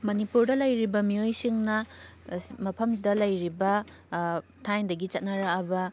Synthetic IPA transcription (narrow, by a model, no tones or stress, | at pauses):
mɐnipuɾdɐlɐjɾibɐmiojsiŋnɐ | mɐpʰɐmsdɐlɐjɾibɐ | tʰajdɐɡit͡ʃɐt̚nɐɾaɐbɐ